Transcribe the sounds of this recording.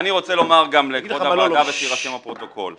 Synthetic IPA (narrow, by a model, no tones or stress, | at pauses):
aniʁo̞t͡selo̞maʁɡamleɡoaadaveʃiʁaʃemapʁo̞t̪oko̞l